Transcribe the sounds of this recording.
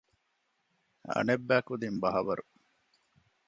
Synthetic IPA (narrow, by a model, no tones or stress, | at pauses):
ɐ̰nebːæːkud̪imbɐɦɐʋɐɾu